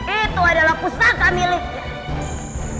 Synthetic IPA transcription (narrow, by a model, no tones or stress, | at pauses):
it̪uadalakusakamilika